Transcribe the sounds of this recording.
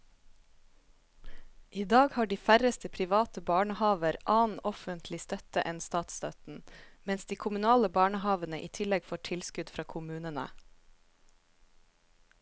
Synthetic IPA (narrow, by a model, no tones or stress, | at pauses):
ʔiːd̪ɑːɡhɑːɖiːfæɾəst̪əpʰɾɪʋɑːt̪əbɑːɳəhɑːʋəɾʔɑːn̩ɔfənt̪ʰlɪst̪œt̪əʔɛnst̪ɑːt̪st̪ɑt̪n̩mɛnsd̪iːkʰʊmʉnɑːləbɑːɳəhɑːʋənəʔiːt̪ʰɪlɛɡfoːʈʰɪlskʉd̪fɾɑːkʰʊmʉːnənə̰